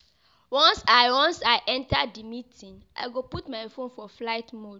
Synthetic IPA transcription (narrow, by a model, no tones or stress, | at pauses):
wɔ̃nsajwɔ̃nsajʔɛ̃ntadimitʰĩŋʔa̰jɡoputmajfõnfɔflaɪtmod